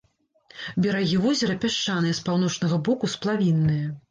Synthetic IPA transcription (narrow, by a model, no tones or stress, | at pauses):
bʲɛɾaɣʲivɔzʲɐɾɐpʲaʂt͡ʂanɨjɛspawn̪ɔt͡ʂnɐɣɐbɔkusplˠavʲinːɨjɐ